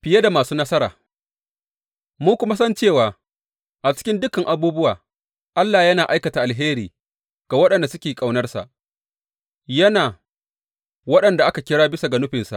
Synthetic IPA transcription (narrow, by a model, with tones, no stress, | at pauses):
ɸɪ˨ja˦da˨maː˨suː˦nɐ˦sɐ˦ɾa̰ː˨ | muː˦kʷʊ˦ma˦s̬ɐ˦nt͡ʃeː˦˨waː˨ | ʔa˨t͡ʃɪ̥˦kʲɪ˦ndʊ˦ka˨ŋʔa˨buː˦bʊ˦waː˨ | ʔa˦lːaː˨jɐ˦naː˨ʔa˦jkɐ˨ta˨ʔa˨lɦeː˦ɾiː˨ | ɡ̥a˨wɐ˦ɗɐ˨nda˨sʊ˦kʲeː˨kʼa˨wnɐ˦rsa̰˨ʔ | jɐ˦naː˨ | wɐ˦ɗɐ˨nda˨ʔa˦ka˨kʲɪ˦ɽaː˦bɪ˦sa˨ɡɐ˨nʊ˦ɸɪ˨nsa̰˨ʔ